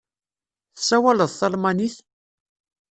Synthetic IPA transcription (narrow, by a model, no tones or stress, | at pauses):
θəsːæwæləðˤθɑlmaniθ